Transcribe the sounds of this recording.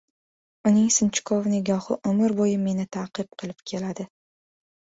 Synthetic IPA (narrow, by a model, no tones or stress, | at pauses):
ʊnɪŋsɪnt͡ʃʰɪ̥kʰovnɪɡɒhɨ̰ʔʊmɪɾbojɪme̞nɪt̪ʰaqɨb̚qʰɨlˠɪpkʲʰe̞lad̪ɪ